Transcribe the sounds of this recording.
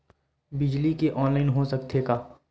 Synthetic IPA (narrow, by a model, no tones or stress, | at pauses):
bɪd͡ʒlikeʔɔːnlaːɪnɦosɐkt̪ʰeːɡaː